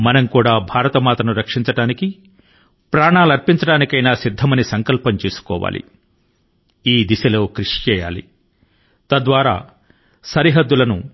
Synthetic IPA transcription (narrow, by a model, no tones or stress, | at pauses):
mɐnɐmkuːɽaːbʱaːɾɐt̪ɐmaːt̪ɾɐnuɾɐkʂiɲt͡ʃɐɽaːniki | pɾaːɳaːluɐɾpiɲt͡ʃɐɽaːnikɐjnaːsid̪ʱːɐmɐnisɐŋkɐlpɐɲt͡ʃeːsu̥kɔ̰ːʋa̰ːlʔḭ | iːd̪isɐlo̞ːkɾiʂit͡ʃɛːja̰ːlḭ | t̪ɐd̪ʋaːɾa̰ː | sɐɾiɦɐd̪ːulɐnu